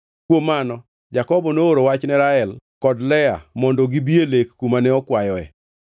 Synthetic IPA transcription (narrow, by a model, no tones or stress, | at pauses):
kwomanɔ | d͡ʒakɔbɔnooɾowat͡ʃnɛɾaɛlkɔdlɛa̰mɔndɔɡibielekːumanɛɔkwajɔɛ̰